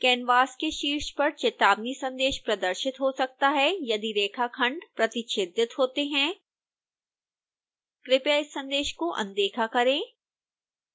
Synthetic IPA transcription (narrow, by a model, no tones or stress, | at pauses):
kɛːnʋaːskeʃiːɾʃpɐɾt͡ʃɪt̪aːbnisɐ̃nd̪eːʃpɾɐd̪əɾʃɪt̪ɦosɐk̚t̪aɦɛjɐd̪iɾeːkʰakʰɐ̃ɳɖpɾɐt̪ɪʃʰeːd̪ɪt̪ɦoːt̪eɦɛ̃ː | kɾɪpjaɪsːɐ̃nd̪eːʃkoʔɐ̰̃nd̪eːkʰakɐɾẽː